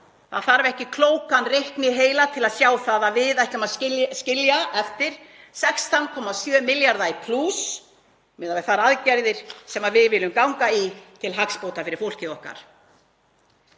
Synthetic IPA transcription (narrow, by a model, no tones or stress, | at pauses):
θaðθaɾvɛhcɪkʰloːwkanrehknɪɦeːjlat̪ʰɪlaðsjaːwθaðavɪðɛhcɔmaðɪscɪljaɛft̪ɪɾ̥ | sɛkst̪ʰankʰɔːmasjœːmɪljaɾðajpʰlus | mɪːðavɛɾθaɾaðcɛɾðɪɾ̥sɛmaðvɪðvɪlʏmkawŋkait̪ʰɪlɦakspoːwt̪afɪɾɪɾfowl̥cɪɔhka̰ɾ̥